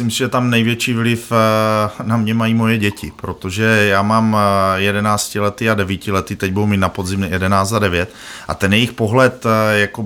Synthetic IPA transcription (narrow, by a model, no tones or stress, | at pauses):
imsɪʒɛt̪amnɛjvjɛt͡ʃiːvlɪf | namɲɛmajimo̞jɛɟɛcɪpɾo̞t̪oʒɛjaːmaːmjɛdɛnaːt͡scɪlɛt̪iadɛvicɪlɛt̪iːt̪ɛɟ̚budumiːt̪napo̞d̪zɪmjɛdɛnaːt͡szadɛvjɛt̪̚ | ʔa̰t̪ɛnjɛjixpo̞ɦlɛt̪jako